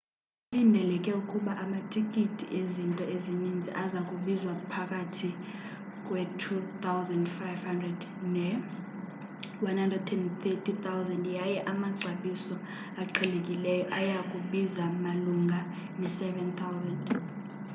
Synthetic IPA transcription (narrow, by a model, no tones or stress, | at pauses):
lindʱɛlɛkʼɛukʼuɓaʔamatʰikʼitʰʼḭʔezintʼɔezinind͡zʱiʔazakʼuɓizwapʰakʼatʰi | kʼwɛtʰut̪ʰawzɛndfajvhandrɛd | nɛ | wanhandrɛdtʰɛntʰɛtʰit̪awzɛndjajɛʔamaǀʱaɓisɔ | aǃʰɛlekʼilɛjɔʔajakʼuɓizamaluŋɡʱa | nɛsɛvɛnt̪ʰawzɛnd